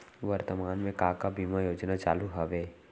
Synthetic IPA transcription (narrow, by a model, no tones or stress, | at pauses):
ʋəɾt̪əmaːnmẽkaːkabiːmajoːd͡ʒnat͡ʃa̰ːluɦɐʋeː